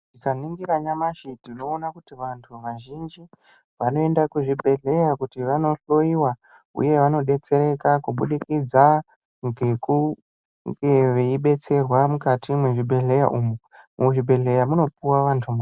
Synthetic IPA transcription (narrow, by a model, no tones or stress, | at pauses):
ʐikaniŋɡiɾaɲamaʃitino̞ːnakutiʋantʰuʋaʒind͡ʒi | ʋano̞e̞ndakuʐibʱe̞ɮe̞jakutiʋano̞ɬo̞iwa | ṵje̞ʋano̞ɗe̞t͡se̞ɾe̞kakuɓṵɗikid͡za | ŋɡeku | ŋɡeʋeiɓe̞t͡se̞rwamukatimweʐibʱe̞ɮe̞ja̰ʔumu | muʐibʱe̞ɮe̞jamuno̞p̚uwaʋantʰuma